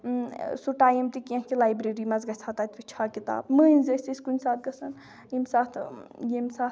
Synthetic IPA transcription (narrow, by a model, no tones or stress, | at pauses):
suʈaːjimt̪ikʲãkilaːjbɾeɾimɐzɡɐsʰaːt̪aːt̪ʋit͡ʃʰaːkit̪a̰ːbmɨinʲzɐsisʲkunʲsaːt̪̚ɡɐsɐn | imsaːt̪ʰjemsaːt̪